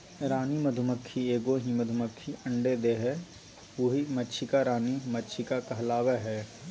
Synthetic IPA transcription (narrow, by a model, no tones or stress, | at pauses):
ɾaːnimɐd̪ʱʊməkʰːieːɡoɦimɐd̪ʱʊməkʰːiɐ̃ɳɖed̪eɦɛ | woɦimətːt͡ʃʰikaɾaːnimɐtːt͡ʃʰikakɐɦlaːʋeɦɛː